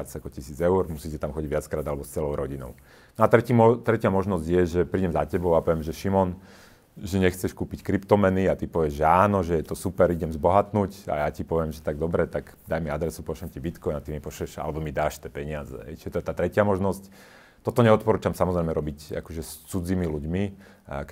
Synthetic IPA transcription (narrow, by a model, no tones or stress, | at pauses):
at͡sakɔcisiːd͡zɛuɾmusiːsit̪amxɔɟiɟʋɪat͡skɾaːd̪alɛbɔst͡sɛlɔʊɾɔɟinɔ̰ʊ | nɔat̪ɾɛciːmɔt̪ɾɛcɪamɔʒnɔzɟjɛʒɛpɾiːɟɛmzacɛbɔʊapɔʋɛmʒɛʃimɔn | ʒɛɲɛxt͡sɛʃkuːpickɾipt̪ɔmɛniat̪ipɔʋɪɛʒʒɛaːnɔʒɛjɛt̪ɔsupɛɾiɟɛmzbɔɦat̪nuːca̰jacipɔʋɪɛmʒɛt̪aɡ̚d̪ɔbɾɛt̪aɡ | d̪ajmiad̪ɾɛsupɔʃɛmcibit̪kɔjnat̪imipɔʃɛʃa̰lɛbɔmid̪aːʃt̪ɛːpɛɲɪazɛ̰ɦɛ̰jt͡ʃi̥ʒɛt̪ɔɛt̪aːt̪ɾɛcɪamɔʒnɔsc | t̪ɔt̪ɔɲɛɔt̪̚pɔɾuːt͡ʃamsamɔzɾɛjmɛɾɔbica̰kɔʒɛst͡sud͡zimiluɟmi | k